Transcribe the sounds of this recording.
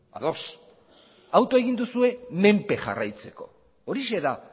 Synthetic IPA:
a̰ðo̞s | awt̪oe̞ɣ̞ind̪usue̞me̞mpe̞ʝa̰rajt͡se̞̥ko̞̰ː | ɾise̞ða

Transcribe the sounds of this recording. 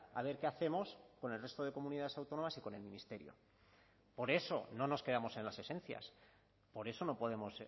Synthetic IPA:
a̰β̞e̞ɾke̞aθe̞mo̞sko̞ne̞lre̞st̪o̞ð̞e̞ko̞muniðaðe̞sawt̪o̞no̞masiko̞ne̞lmĩnist̪e̞ɾjo̞̰ | po̞ɾe̞so̞̰no̞no̞ske̞ðamo̞se̞nlase̞se̞nθja̰s | po̞ɾe̞so̞no̞po̞ðe̞mo̞s

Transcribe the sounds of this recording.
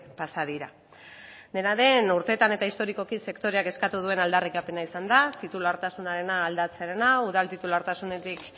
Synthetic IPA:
pasaðiɾa | d̪e̞naɾe̞nuɾt̪e̞t̪ane̞t̪aist̪o̞ɾiko̞kise̞kt̪o̞ɾe̞ake̞skat̪uð̞ue̞nald̪arikape̞naisand̪at̪it̪ulaɾt̪asunaɾe̞naːld̪at͡seɾenauð̞alt̪it̪ulaɾt̪asune̞t̪ik

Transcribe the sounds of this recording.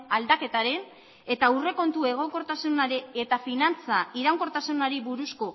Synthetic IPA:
ald̪ake̞t̪aɾe̞n | e̞t̪aure̞ko̞nt̪ue̞ɣ̞o̞ŋko̞ɾt̪asunaɾiet̪afinant͡saiɾawŋko̞ɾt̪asunaɾiβuɾusko̞

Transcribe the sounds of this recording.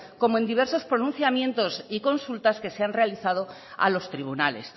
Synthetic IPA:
ko̞moend̪iβ̞e̞ɾso̞spɾo̞nũnθjamjẽ̞nt̪o̞siko̞nsult̪aske̞seanre̞aliθað̞o̞ | a̰lo̞st̪ɾiβ̞unale̞̰s

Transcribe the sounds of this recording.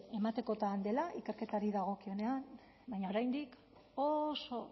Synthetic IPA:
e̞mat̪e̞ko̞t̪and̪e̞laʔike̞ɾke̞t̪aɾiðaɣ̞o̞kio̞ne̞an | bajɲao̞ɾajnd̪ik | oso̞

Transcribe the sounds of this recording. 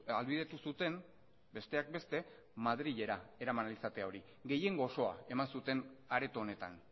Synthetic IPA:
alβið̞e̞t̪usut̪e̞n | be̞st̪e̞ak̚be̞st̪e̞ | maðɾiʎe̞ɾae̞ɾamanalisat̪e̞ao̞ɾi | ɡe̞je̞ŋɡoso̞a̰e̞mansut̪e̞naɾe̞t̪oːne̞t̪a̰n

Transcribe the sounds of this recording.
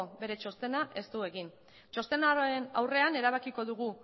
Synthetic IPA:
obe̞ɾe̞t͡ʃo̞st̪e̞naʔe̞st̪ue̞ɣin | t͡ʃo̞st̪e̞naenawre̞ane̞ɾaβ̞akiko̞ðuɣ̞u

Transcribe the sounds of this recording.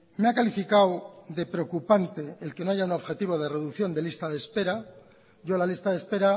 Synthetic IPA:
meakalifikawðe̞pɾeo̞kupant̪e̞elke̞no̞aʝauno̞βxe̞t̪iβ̞o̞ð̞e̞re̞ðuθjo̞nd̪e̞list̪aðespe̞ɾa | ɟ͡ʝo̞lalist̪aðe̞spe̞ɾa

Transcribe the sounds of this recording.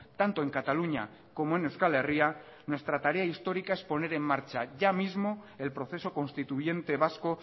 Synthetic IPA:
t̪ant̪oe̞ŋkat̪aluɲa̰ | ko̞moenewskale̞ria | nwe̞st̪ɾat̪aɾe̞aist̪o̞ɾikae̞spo̞ne̞ɾe̞mːaɾt͡ʃaʝamizmo̞ | e̞lpɾo̞θe̞so̞ko̞nst̪it̪uʝe̞nt̪e̞β̞asko̞

